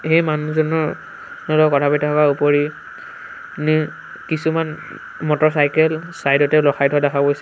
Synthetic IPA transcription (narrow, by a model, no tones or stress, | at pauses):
hejmanuzɔnɔɹ | nɔlɔkɔtʰapittʰɔkaupoɹi | ni | kisuman | mɔtɔsajkɛlsajdɔtɛlɔxʰajdʰʱɔdakʰabojsɛ